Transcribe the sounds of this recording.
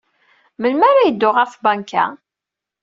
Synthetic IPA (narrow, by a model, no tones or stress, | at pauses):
məlmaɾajəd̪ːʊʁəɾfbaŋkæ̰